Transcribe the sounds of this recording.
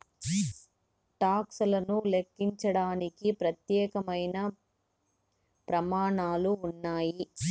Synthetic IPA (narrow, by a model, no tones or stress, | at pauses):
ʈaːksulɐnulekːiɲt͡ʃɐɽaːnikipɾɐt̪jɛːkɐmɐjnɐ | pɾɐmaːɳaːluːnːaːji